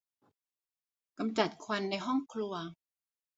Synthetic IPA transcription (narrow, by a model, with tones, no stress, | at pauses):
ka˧mt͡ɕa˨˩t̪̚kʰwa˧nːa˧jɦɔ˥˩ŋkʰlu˧ɐ